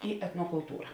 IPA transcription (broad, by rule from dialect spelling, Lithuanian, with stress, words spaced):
ɪ ɛtnoːkʊlˠˈtuːrɐ